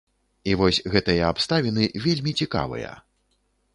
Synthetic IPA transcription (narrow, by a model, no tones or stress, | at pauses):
ivɔsʲɣɛt̪ɨjɐapst̪avʲinɨvʲelʲmʲit͡sʲika̰vɨ̰jɐ̰